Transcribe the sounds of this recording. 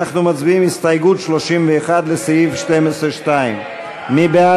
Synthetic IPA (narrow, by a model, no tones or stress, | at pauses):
aχnumat͡sbiimist̪ajɡutʃloʃimveːχad̪lesijifʃtemesʁeʃtaimː | ibea